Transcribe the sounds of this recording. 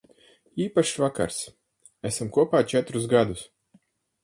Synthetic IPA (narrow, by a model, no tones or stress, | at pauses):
iːpaʃvaka̰ɾs | æsamkuɔpaːt͡ʃɛt̪ɾusɡad̪us